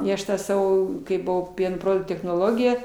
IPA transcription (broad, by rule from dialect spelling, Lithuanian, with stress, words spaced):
ɪ ˈɐʃ ˈtɑː ˈsɑːʋoː kɐɪ bʊˈʋɐʊ ˈpʲiɛnoː ˈproːdʊktuː tʲɛxnoːˈlˠoːɡʲɪjɛ